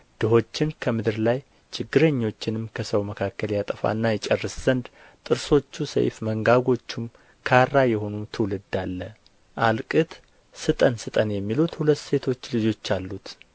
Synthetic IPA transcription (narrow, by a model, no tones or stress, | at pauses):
d̪̥ɨɦo̞t͡ʃːɪnkʰəmɨd̪ɨɾlaj | t͡ʃʰɪɡːɨɾəɲːo̞t͡ʃːɪnɨmkʰəsəwməkʰakːəljat̪ʼəfa̰nːajɛt͡ʃʼɛrːɨsz̥ənd̪ | t̪ʼɨɾso̞t͡ʃːusə̰jfməŋɡaɡo̞t͡ʃːum | kʰarːajɛho̞numt̪ʰɨwlɨd̪ːalːə | ʔalkʼɨt̪ | sɨt̪ʼənsɨt̪ʼənjɛmːilut̪hulət̪ːse̞t̪ʰo̞t͡ʃːlɨd͡ʒo̞t͡ʃːalːut̪